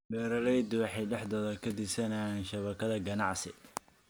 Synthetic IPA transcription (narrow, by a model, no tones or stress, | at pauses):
bɛːɾɐlɛjd̪wɑħɑjɖɛħd̪ɔːðɐkʰɐd̪ɪsɐnaːnʃɐβɐkʰɐðɐɡɐnɑʕsɪ